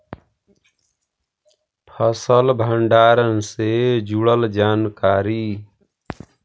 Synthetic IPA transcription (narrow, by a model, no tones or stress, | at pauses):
pʰəsəlbʱəɳɖaːɾənsed͡ʒuɽəld͡ʒaːnkaːɾi